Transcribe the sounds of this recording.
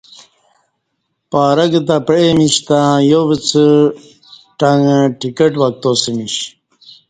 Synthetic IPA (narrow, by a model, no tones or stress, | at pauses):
paːɾɐɡɐt̪̬apemiɕt̪ãjobit͡sə | ʈaŋʈikeʈwɐk̚t̪osimiɕ